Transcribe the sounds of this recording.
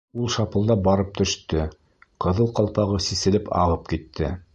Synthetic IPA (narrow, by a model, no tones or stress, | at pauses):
ulˠʃɑpɤ̆lˠd̪ɑbɑɾɤp̚t̪ɵ̆ʃt̪ɵ | qɤ̆ðɤlˠqɑlˠpɑʁɤsisɘ̆lɘpɑ̰ʁɤp̚kit̪ʰːɘ